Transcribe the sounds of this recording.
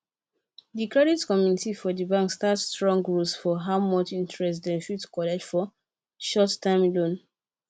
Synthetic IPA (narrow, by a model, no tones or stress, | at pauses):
dikɹɛditkɔmjunitifɔdəbãŋkstatstɹɔ̃ŋɡɹulsfɔɦaʊmɔt͡ʃĩntʰɹɛstdɛ̃ʃudkɔlɛd͡ʒfɔ | ʃɔtːãɪ̃mlõn